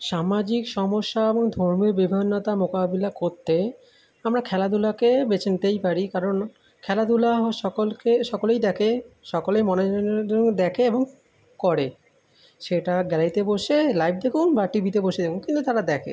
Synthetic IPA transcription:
ʃamad͡ʑikʃɔmoʃːaeboŋd̪ʱoɾmiobibʱeonːat̪amokabilakoɾt̪ʰːe | amɾakʰɛlad̪ulakebet͡ɕʰent̪ejpaɾikaɾon | kʰɛlad̪ulaɦʃɔkolkeʃɔkolejd̪ɛkʰeʃɔkolejmɔnened͡ʑood̪ɛkʰeeboŋ | kɔɾe | ʃeʈaɡɛlajt̪eboʃelajb̚d̪ekʰunbaʈibit̪eboʃed̪ekʰunkint̪ut̪aɾad̪ɛkʰḛ

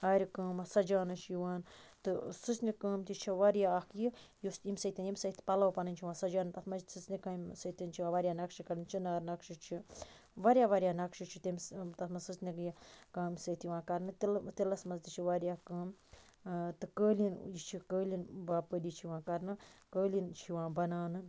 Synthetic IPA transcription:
aːɾʲikəːmɐsɐd͡ʒaːnɨt͡ʃʰjiʋaːnt̪ɨsɨsnikɐːmt̪ʲit͡ʃʰiʋaɾʲjaːkjijusimsɐt̪ʲinjimsɐt̪ʰi̥pɐlɐwpɐnɨnʲt͡ʃʰiʋãːsɐd͡ʒaːnɨt̪ɐt̪ʰmɐsɨsnikamsɐt̪ʲint͡ʃʰiãːʋɐɾʲjaːnɐkʃikɐɾɨnt͡ʃʰinaːɾnɐkʃit͡ʃʰi | ʋɐɾʲjaːʋɐɾʲjaːnɐkʃit͡ʃʰit̪imt̪ɐt̪mɐsɨsnikjikaːmsɐt̪ʰjiʋãːkɐɾnɨt̪it̪ilɐsmɐzt̪it͡ʃʰiʋaɾijaːkəːm | t̪ɨkəːlinjit͡ʃʰikəːlʲinbapəd̪it͡ʃʰiʋãːnkɐɾnɨkəːlint͡ʃʰiʋãːbɐnaːnɨn

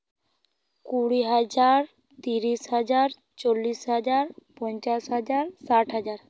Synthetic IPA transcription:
kuɽiɦad͡ʒaɾ | t̪iɾisɦad͡ʒaɾ | t͡ʃolːisɦad͡ʒaɾpɔɲt͡ʃasɦad͡ʒaɾsaʈʰɦad͡ʒaɾ

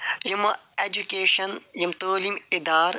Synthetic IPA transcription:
jumeːd͡ʒukeːʃɐnjimt̪oːlimɪd̪aːɾ

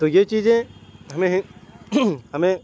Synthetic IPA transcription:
t̪ojet͡ʃiːzẽɦɐmẽɦ | ɦɐmẽ

